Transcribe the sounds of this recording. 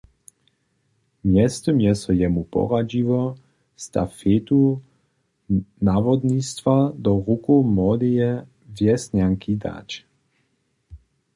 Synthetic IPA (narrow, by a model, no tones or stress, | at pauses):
mjɛst̪ɔmjɛsɔjɛmupɔ̰ʁad͡ʑivɔ | st̪a̰feːt̪u | navɔd̪nist̪vad̪ɔʁukomɔd̪ijɛ | vjɛsnaŋkid̪a̰t͡ʃ